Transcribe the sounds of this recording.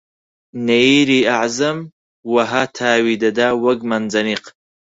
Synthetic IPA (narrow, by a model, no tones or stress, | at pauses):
nejɾiaʕzam | waɦatʰaːwidadawɐɡmand͡zaniq